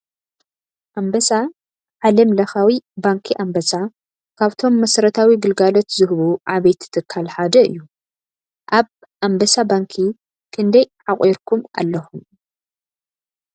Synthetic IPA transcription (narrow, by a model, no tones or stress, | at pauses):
ʔambɐsa | ʕalɐmlɐxawibaŋkʰiʔambɐsa | kʰaβt̪ʰo̞mːɐsɾɐt̪ʰawiɡɨlɡalot̪zɨhβuʕaβɐjt̪ʰɨ̥t̪ʰɨkʰːalħad̪ɐɨ̰jːu | ʔaβ | ʔambɐsabaŋkʰi | kʰɨnd̪ɐjʕakʼʔeɾkʰumʔa̰lːɐxum